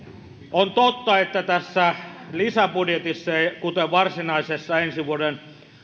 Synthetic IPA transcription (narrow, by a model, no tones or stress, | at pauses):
ʔont̪ot̪ːɑet̪ːæt̪æsːælisæpudjet̪isːɑkut̪eʋɑrsinɑisesːɑensiʋuoden